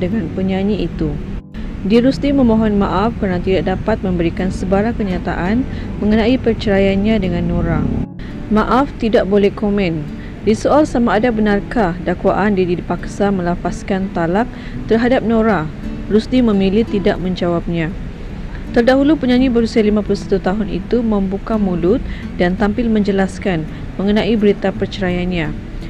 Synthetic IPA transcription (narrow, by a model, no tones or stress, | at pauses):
dəŋãnpəɲãɲiit̪u | diaɾusd̪imə̃mõɦɔnmãʔafkəɾənat̪idaʔ̚dapat̪̚mə̃mbəɾikansəbaɾakəɲat̪a̰ʔanmə̃ŋənãipərt͡ʃəɾajanɲãdəŋãnːõɾa | mãʔaft̪idaʔbolɛhkomɛ̃n | disoalsamaːdabənarkadakwaʔandiadidipaksamə̃lapaskant̪alak̚ | t̪ərɦadap̚nõɾa | rusdimə̃milit̪idaʔ̚mə̃ɲd͡ʒawap̚ɲã | t̪ərdaɦulupəɲãɲibəɾusialimãpulusḁt̪ut̪aɦʊnḭt̪umə̃mbukamulʊt̪̚ | dant̪ampɪlmə̃ɲd͡ʒəlaskan | mə̃ŋənãʔibəɾit̪apərt͡ʃəɾajanɲã